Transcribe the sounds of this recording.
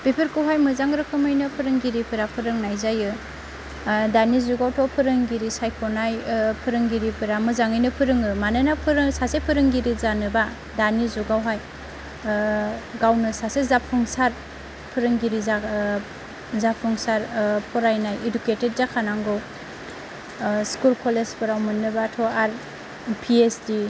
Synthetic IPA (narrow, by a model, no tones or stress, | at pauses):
pipʰɯɾkɯwɦajmɯzaŋɾɯkʰɯmɯjnɯpʰɯɾɯŋɡiɾipʰɯɾapʰɯɾɯŋnajzajɯ | danizuɡawtʰɔpʰɯɾɯŋɡiɾisajpʰɔnajpʰɯɾɯŋɡiɾipʰɯɾamɯzaŋɯjnɯpʰɯɾɯŋɯmanɯnapʰɯɾsasepʰɯɾɯŋɡiɾizanɯba | danizuɡawɦaj | ɡawnɯsasezapʰɯŋsaɾ | pʰɯɾɯŋɡiɾiza | zapʰuŋsaɾpʰɔɾajnajeduketed̚zakʰanaŋɡɔw | skulkʰɔlespɯɾawmɯnɯbatʰɔaɾ | pʰiesdi